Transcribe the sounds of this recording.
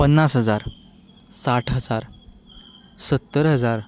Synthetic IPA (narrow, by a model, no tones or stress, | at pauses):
pənːasɦəd͡zaɾ | saʈʰɦəd͡zaɾ | sət̪ːəɾɦəd͡zaɾ